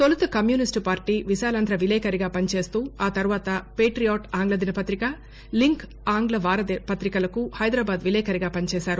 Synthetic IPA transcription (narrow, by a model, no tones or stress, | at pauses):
t̪olut̪ɐkɐmjuːnisʈpaːɾʈiːʋiʃaːlɐnd̪ʱɾɐʋilɛːkɐɾiɡaːpɐnit͡ʃeːst̪uːaːt̪ɐɾuʋaːt̪ɐpeːʈɾijoːʈaːŋɡlɐd̪inɐpɐt̪ɾikɐ | liŋk | aːŋɡlɐʋaːɾɐd̪pɐt̪ɾikɐlɐkuhɐjd̪ɾaːbaːd̪ʋilɛːkɐɾiɡaːpɐnit͡ʃɛːʃaːɾu